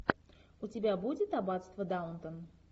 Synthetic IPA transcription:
ʊtʲɪbʲabudʲɪt̪ɐbat̪st̪vəd̪aʊnt̪ən

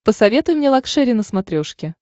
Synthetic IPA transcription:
pəsɐvʲe̞t̪ʊjmnʲelˠɐkʂɛɾʲɪnəsmɐt̪ɾʲoʂkʲɪ

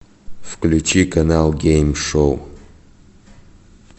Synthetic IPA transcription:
fklʲut͡ɕikɐnalˠɡʲejmʂow

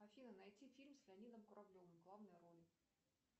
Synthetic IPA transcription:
ɐfʲinənɐjtʲifʲilʲmslʲɪɐnʲid̪əmkʊɾɐblʲovɨmɡlˠavnɨjʊɾo̞lʲ

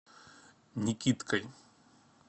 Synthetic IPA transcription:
nʲikʲit̪kɐj

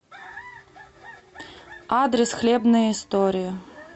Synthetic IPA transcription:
ad̪ɾʲɪsxlʲebnəjəɪst̪oɾʲɪjə

